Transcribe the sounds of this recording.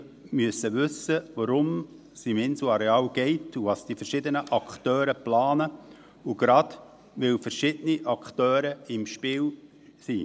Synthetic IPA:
myəsːəʋʏsːəʋɑɾʊm | simɪnsuɑɾeɑːlɡ̥ɛɪtuʋɑsd̥ifəɾʃɪd̪ənəʔɑkχtœːɾəplɑːnə | uɡ̥ɾɑd | ʋɪwfəɾʃɪdəniʔɑkχt̪œːɾəɪmʃpɪːl | sḭ

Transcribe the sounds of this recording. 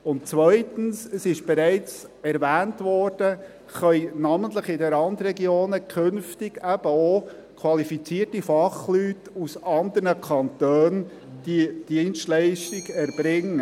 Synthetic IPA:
ʊnt̚t͡sʋœʏtənsəsɪʃb̥ɛɾæɪt͡sɛɾvæːntʋɔːrd̥ə | χœjnɑməntləχɪdəɾɑndrɛɡioːnəkʰɵnftɪɡæb̥əo | kʰwɑlifit͡siərtifɑχlytusɑnd̪əɾnəkʰɑntøːn | d̥id̥iənʃtlæɪʃtɪɡɛɾb̥ɾɪŋːə

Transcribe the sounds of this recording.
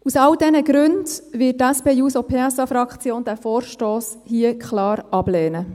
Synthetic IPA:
usɑldɛnəɡɾʉndʋɪt̚ːæspeːjuːsopʰeːɛsɑfɾɑkt͡sjoːnd̥æfɔːɾʃtoːshiəkχlɑːɾɑb̥lɛːnə

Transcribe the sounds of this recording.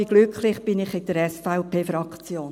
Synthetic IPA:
iɡ̥lʏklɪχb̥ɪnɪχɪdəɾɛsfaʊpeːfɾɑkt͡sjoːn

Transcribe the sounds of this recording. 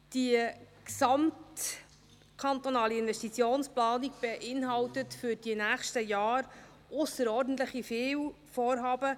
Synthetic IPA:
d̥iəksɑmt | kʰɑnt̪onɑːliɪnvɛstit͡sjoːnsplɑːniɡb̥eʔɪnɦɑwtətfʏɾd̥inæːχʃtəjɑːɾ | ʔʊsəɾɔːɾdn̩tləχifɪːw | fɔːɾɦɑːbə

